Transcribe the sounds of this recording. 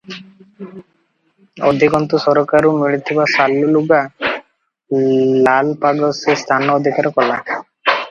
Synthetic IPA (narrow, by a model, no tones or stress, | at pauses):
ɔd̪ʱikɔnt̪usɔɾɔkaɾumiɭit̪ʰibasaluluɡa | lalpaɡɔsest̪ʰanɔːd̪ʱikaɾɔkɔla